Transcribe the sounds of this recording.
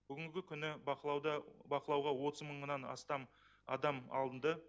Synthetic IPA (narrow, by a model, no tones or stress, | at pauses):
b̥ʏɡʲɪŋɡʲɪkʲʰʏnɪɑd̪ɑbɑqəlˠɑwʁɑwo̞t̪əzməɴənɑnɑ̰st̪ɑm | ɑ̰d̪ɑmɑ̰lˠənd̪ə